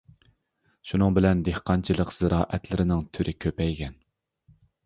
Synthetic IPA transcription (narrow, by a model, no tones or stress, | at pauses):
ʃunɨŋbɪlɛnd̪ehqʰɑnt͡ʃʰɨlˠəqz̥ɨɾɑːʔɛt̪lɪɾɪnɪŋt̪ʰyɾʔɪkʲʰøpɛjɡʲɛn